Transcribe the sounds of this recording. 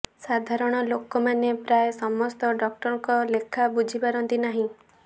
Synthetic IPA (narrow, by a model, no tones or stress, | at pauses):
sad̪ʱaɾɔɽ̃ɔlokɔmanepɾajesɔmɔst̪ɔɖɔk̚ʈɔɾɔŋkɔlekʰabud͡ʒʱipaɾɔnt̪inaɦĩ